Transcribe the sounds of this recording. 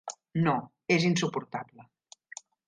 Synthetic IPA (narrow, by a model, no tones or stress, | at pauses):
no | ezinsupuɾt̪ablə